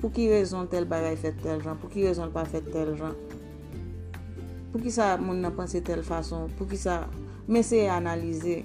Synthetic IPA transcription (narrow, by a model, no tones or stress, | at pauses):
pukiɣezɔ̃t̪ɛlbaɡajfɛt̪ːɛlʒãpukiɣezɔ̃lpafɛt̪ːɛlʒã | pukisamũnːɐ̃pãset̪ɛlfasɔ̃puk̬isa | mesejeanalize